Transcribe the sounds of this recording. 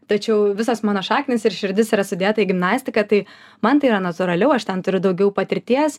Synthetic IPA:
t̪ɐt͡ʃʲɛʊʋʲɪsoːsmɑːnoːʃɑːkʲnʲɪsɪɾʃʲɪɾʲd̪ʲɪsiːɾɐsʊd̪ʲeːt̪ɐiɡʲɪmnɑːsʲt̪ʲɪkɐt̪ɐɪ | mɐnt̪ɐɪiɾɐnɐt̪ʊɾɐlʲɛʊɐʃt̪ʲɛnt̪ʊɾʲʊd̪ɐʊɡʲɛʊpɐt̪ʲɪɾʲt̪ʲiɛs

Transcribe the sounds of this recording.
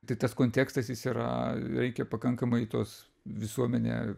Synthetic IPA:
t̪ɐɪt̪ɐskoːnʲt̪ʲeːkst̪ɐsjɪsiɾɐ̰ɾʲɛɪkʲɛpɐkɐŋkɐmɐɪt̪oːs | ʋʲɪsuɔmʲɛnʲḛː

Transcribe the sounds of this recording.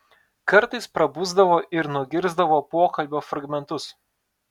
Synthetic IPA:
kɐɾt̪ɐɪspɾɐbuːzd̪ɐʋoːʔɪɾnʊɡʲɪɾzd̪ɐʋoːpoːkɐlʲbʲoːfɾɐɡmʲɛnt̪ʊs

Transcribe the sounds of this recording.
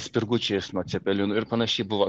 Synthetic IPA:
sʲpʲɪɾɡʊt͡ʃʲɛjɪsnuɔt̪sʲɛpʲɛlʲɪnʊɪɾpɐnɐʃʲɛɪbʊʋɐ

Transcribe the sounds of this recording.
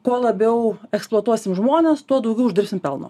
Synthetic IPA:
koɔlˠɐbʲɛʊɛksplˠuɔt̪uɔsʲɪmʒmoːnʲɛːst̪uɔd̪ɐʊɡʲɛʊʒd̪ʲɪɾpʲsʲɪmpʲɛlˠno̰

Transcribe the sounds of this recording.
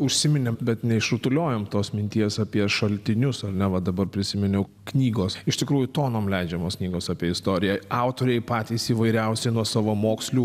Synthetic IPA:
ʊʃʲsʲɪmʲɪnʲɛbʲɛt̪nʲɛɪʃɾʊt̪ʊlʲoːjoːmt̪oːsmʲɪnʲt̪ʲiɛsɑpʲiɛʃɐlʲt̪ʲɪnʲʊsɐɾnʲɛʋɐd̪ɐbɐrpʲɾʲɪsʲɪmʲɪnʲɛʊ | knʲiːɡoːsɪʃt̪ʲɪkɾuːjʊt̪oːnoːmlʲɛɪd͡ʒʲɛmoːsknʲiːɡoːsɑːpʲiɛɪst̪oːɾʲɪjɛɑʊt̪oːɾʲɛɪpɑːt̪ʲiːsiːʋɐɪɾʲɛʊsʲɛɪnuɔsɑːʋoːmoːksʲlʲuː

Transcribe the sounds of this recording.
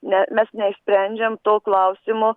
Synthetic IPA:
nʲɛmʲɛsnʲɛisʲpʲɾʲænʲd͡ʒʲɛmt̪oːklˠɐʊsʲɪmʊ

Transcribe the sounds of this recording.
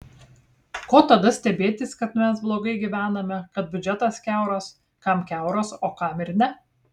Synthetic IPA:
koːt̪ɐd̪ɐsʲt̪ʲɛbʲeːt̪ʲɪskɐt̪mʲɛs̬blˠoːɡɐɪɡʲiʋʲæːnɐmʲɛkɐt̪̚bʲʊd͡ʒʲɛt̪ɐskʲæˑʊɾoːs | kɐˑmkʲæˑʊɾoːsoːkɑmɪɾnʲɛ

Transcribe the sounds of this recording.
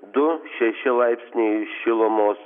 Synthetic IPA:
d̪ʊʃʲɛʃʲɪlˠaɪpʲsʲnʲejʃʲilˠɔmoːs

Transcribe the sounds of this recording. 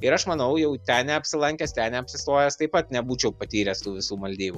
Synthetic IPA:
ɪɾɐʃmɐnɐʊjɛʊt̪ʲænnʲɛɐpʲsʲɪlˠɐŋʲkʲɛst̪ʲæːnʲɛɐpʲsʲɪst̪oːjɛst̪ɐɪpɐt̪nʲɛbuːt͡ʃʲɛʊpɐt̪ʲiːɾʲɛːst̪uːʋʲɪsuːmɐlʲd̪ʲiːbuː

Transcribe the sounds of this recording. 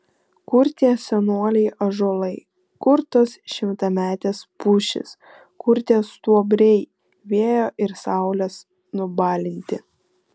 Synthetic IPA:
kʊɾʲt̪ʲeːsʲɛnuɔlʲɛɪʔɐʒoːlˠɐɪ | kʊɾt̪ɐsʃʲɪmt̪ɐmʲæːt̪ʲeːspʊʃʲɪ̰s | kʊɾʲt̪ʲeːst̪uɔbʲɾʲɛɪ | ʋʲeɛjoːʔɪɾsɑˑʊlʲɛs | nʊbɑːlʲɪnʲt̪ʲɪ

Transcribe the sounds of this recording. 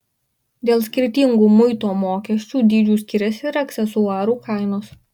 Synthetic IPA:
d̪ʲeːlˠsʲkʲɪɾʲt̪ʲiŋɡuːmʊɪt̪oːmoːkʲɛsʲt͡ʃʲuːd̪ʲiːd͡ʒʲuːsʲkʲɪɾʲɛsʲɪɾɐkʲsʲɛsʊɑːɾuːkɐˑɪnoːs

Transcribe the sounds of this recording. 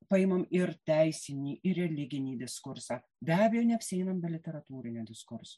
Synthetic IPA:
pɐɪmɐmɪɾt̪ʲæɪsʲɪnʲiːʔɪɾʲɛlʲɪɡʲɪnʲiːd̪ʲɪskʊɾsɑː | bʲæːbʲɛjɛʊnʲɛɐpʲsɪɛɪnɐmbʲɪlʲɪt̪ʲɛɾɐt̪uːɾʲɪnʲɛd̪ʲɪskʊɾso

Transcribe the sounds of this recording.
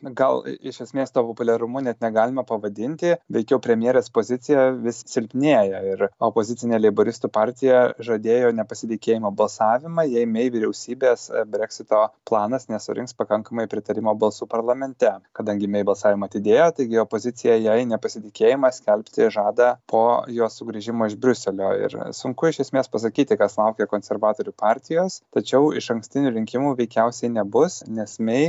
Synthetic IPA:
ɡɐlˠɪʃʲɛsʲmʲeːst̪oːpopʊlʲɛɾʊmʊnʲɛt̪nʲɛɡɑːlʲɪmɐpɐʋɐd̪ʲɪnʲt̪ʲɪʋʲɛɪkʲɛʊpʲɾʲɛmʲjeɛɾʲeːspoːzʲɪsʲɪjɛʋʲɪssʲɪlʲpʲnʲeːjɛɪɾopoːzʲɪtt͡s̪ʲɪnʲeːlʲɛɪboɾʲɪst̪uːpɑɾʲt̪ʲɪjɛʒɐd̪ʲeːjoːnʲɛpɐsʲɪt̪ʲɪkʲeːjɪmoːbɐlˠsɑːʋʲɪmɐjɛɪmʲɛjʋʲɪɾʲɛʊsʲiːbʲeːsbʲɾʲɛksʲɪt̪oːplˠɑːnɐsnʲɛsʊ̰ɾʲʔɪŋkspɐkɐŋkɐmɐɪpʲɾʲɪt̪ɐɾʲɪmoːbɐlˠsuːpɐɾlˠɐmʲɛnʲt̪ʲɛkɐd̪ɐŋʲɡʲɪmʲɛɪbɐlˠsɑːʋʲɪmɐɐt̪ʲɪd̪ʲeːjoːt̪ɐɪɡʲɪopoːzʲɪt̪t͡s̪ʲɪjɛjɛɪnʲɛpɐsʲɪt̪ʲɪkʲeːjɪmɐsʲkʲɛlʲpʲt̪ʲɪʒɑːd̪ɐpʰoːjoːsʊɡɾʲiʒʲɪmoːɪʒbʲɾʲʊsʲɛlʲo̰ːɪ̰ɾsʊŋkʊɪʃʲɛsʲmʲeːspɐs̬ɐkʲiːt̪ʲɪkɐslˠɐʊkʲɛkoːnʲsʲɛɾʋɑːt̪oːɾʲupɑːɾʲt̪ʲɪjoːst̪ɐt͡ʃʲɛʊɪʃɐŋksʲt̪ʲɪnʲuːɾʲɪŋʲkʲɪmuːʋʲɛɪkʲɛʊsʲɛɪnʲɛbʊssnʲɛsmʲɛɪ

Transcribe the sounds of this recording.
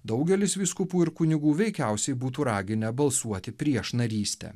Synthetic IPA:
d̪ɒʊɡʲɛlʲɪsʋʲiskʊpuːɪɾkʊnʲɪɡuːʋʲɛɪkʲæˑʊsʲɛɪbuːt̪̬uːɾɑːɡʲɪnʲɛbɐlˠsuɔt̪ʲɪpʲɾʲiɛʃnɐɾʲiːsʲt̪ʲɛ̰

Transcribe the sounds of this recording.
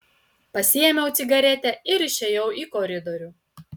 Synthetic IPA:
pɐsʲɪjɛmʲɛʊt̪sʲɪɡɐɾʲɛt̪ʲɛɪɾɪʃʲɛjɛʊiːˑkɔɾʲɪd̪ɔɾʲuː

